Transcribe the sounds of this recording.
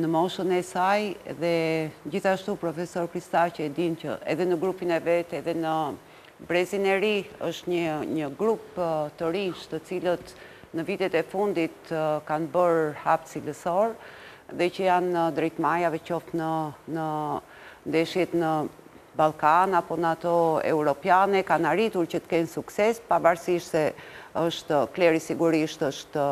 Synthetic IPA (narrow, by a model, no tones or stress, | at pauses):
nəmɔʃənɛsajɛ̰ðɛd͡ʑiθaʃt̪upɾɔfɛsɔɾkɾist̪acəɛd̪incə̰ʔɛðɛnəɡɾupinɛvɛt̪ɛðɛnə | bɾɛzinɛɾiəʃt̪ɲəɲəɡɾupt̪əɾint͡ʃt̪ət͡silət̪ | nəvit̪ɛt̪ɛfund̪it̪kanbəɾhapt̪siləsɔɾ | ðɛcəjanːəd̪ɾɛjt̪majavɛcɔft̪nənə | nd̪ɛʃjɛt̪nə | balˠkanapɔnat̪ɔɛ̰uɾɔpjanɛkanaɾit̪uɾcət̪ə̥kɛnsuksɛspavaɾsiʃt̪sɛəʃt̪klɛɾisiɡuɾiʃt̪əʃt̪